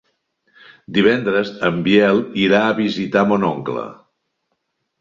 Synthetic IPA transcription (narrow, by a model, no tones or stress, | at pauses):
d̪iβɛnd̪ɾəzəmbjɛlˠiɾaəβizit̪amonɔŋklə̰